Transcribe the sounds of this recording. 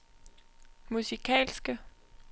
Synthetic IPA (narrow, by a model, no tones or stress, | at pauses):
musikʰɛ̰ːlsɡ̥ə